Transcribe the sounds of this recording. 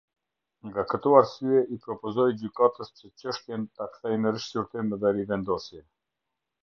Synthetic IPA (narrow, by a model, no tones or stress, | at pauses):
ŋɡakət̪ɔaɾsyɛʔipɾɔpɔzɔjd͡ʑykat̪əst͡ɕət͡ɕəʃt̪jɛnt̪akθɛjmɛɾiʃsuɾt̪imðɛɾivɛnd̪ɔsjɛ